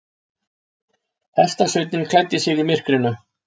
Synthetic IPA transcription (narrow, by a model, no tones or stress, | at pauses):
ɛst̪asœɥt̪nɪnkʰlajt̪ːɪsɪɣɪmɪr̥kɾɪnːʏ